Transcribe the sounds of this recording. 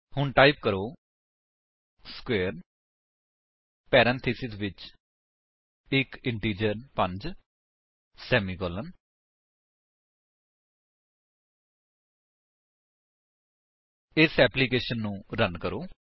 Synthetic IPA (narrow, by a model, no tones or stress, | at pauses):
hʊɳʈaːip̚kəɾoː | skwɛːɾ | pɛːɾɛ̃ːnt̪ʰiːsɪsʋɪt͡ʃ | ɪkɪɳʈiːd͡ʒəɾpə̃ɲd͡ʒ | sɛːmiːkɔːlən | ɪsɛːpliːkeːʃənːũːɾənkəɾoː